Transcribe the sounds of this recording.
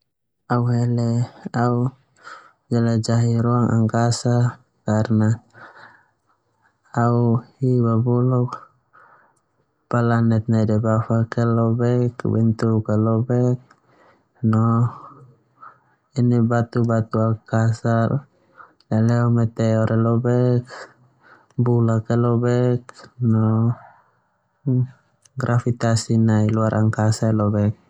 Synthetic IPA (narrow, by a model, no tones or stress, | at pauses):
auɦɛlɛau | d͡ʒalad͡ʒaɦiɾuaŋa̰ŋkasa | karna | uhibabɔlɔk | palanɛt̪̚nadɛbafakɛlɔbɛkbɛnt̪ukɛlɔbɛk̚ | nɔ | inibat̪ubat̪uakasal | eleomɛt̪eoɾɛlɔbɛk | bulakelobɛkno | ɡɾʔafit̪asinailuaɾʔa̰ŋkasalɔbɛk̚